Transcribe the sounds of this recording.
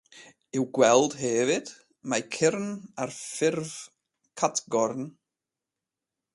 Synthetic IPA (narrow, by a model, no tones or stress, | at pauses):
ɪwɡwɛlˠd̥ɦɛːvɪd̥ | majkʰɪrnarfɪrv | kʰatʰɡɔrn